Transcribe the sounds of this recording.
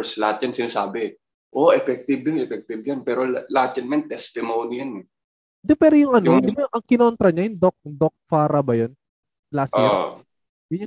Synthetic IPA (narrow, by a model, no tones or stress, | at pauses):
slɐhat̪̚jansɪnaːsaːbɛ | ʔo̞ʔɛfɛk̚t̪ɪbjonɛfɛk̚t̪ɪb̚janpɛːɾolat̪ɐnmɛnt̪ɛst̪ɪmownijanɛ | d̪opɛːɾojʊŋʔɐnod̪ɪbajʔɐŋkɪnont̪ɾɐɲajʊŋd̪ok̚d̪ok̚faːɾɐbɐjon | lasa | jʊʊ